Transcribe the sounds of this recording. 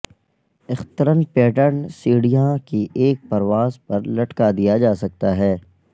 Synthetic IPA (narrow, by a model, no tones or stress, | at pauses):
ɪxt̪əɾənpɛːʈəɾnsiːɽijãkiʔeːk̚pɐɾʋaːzpɐɾlɐʈkad̪ijad͡ʒaːsɐk̚t̪aɦɛː